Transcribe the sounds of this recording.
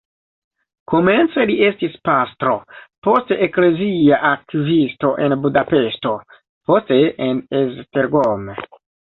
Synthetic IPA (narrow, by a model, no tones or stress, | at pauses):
ko̞me̞nt͡selie̞stispast̪ɾo̞̰po̞steʔekle̞ziaʔak̚tivisto̞ʔenbudape̞ʃto̞ | po̞steʔenezteɾɡom